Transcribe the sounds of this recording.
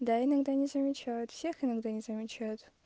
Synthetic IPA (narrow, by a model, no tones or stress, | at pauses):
daːjinɨɡdanʲizɐmʲit͡ʃʰatsʲeːxinɨɡdanʲizamʲit͡ʃʰat